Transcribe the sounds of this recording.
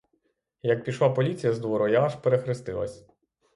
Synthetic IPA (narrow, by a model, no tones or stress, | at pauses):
jɐk̚pʲiʃlˠapɔlʲit͡sʲijɐzd̪ʋɔɾɔjaːʒpeɾexɾɪst̪ɪ̰lˠɐ̰sʲ